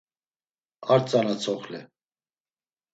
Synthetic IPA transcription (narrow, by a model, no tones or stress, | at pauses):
aɾt͡sʼanat͡sʰɔχlɛ